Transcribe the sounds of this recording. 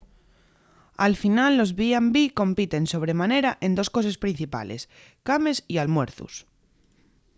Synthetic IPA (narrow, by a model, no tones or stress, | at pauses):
alfinalːo̞zβiambiko̞mpit̪e̞nso̞β̞ɾe̞mãne̞ɾaʔend̪o̞sko̞s̬e̞spɾin̟θipa̰le̞̰s | kame̞sialmwe̞ɾθṵs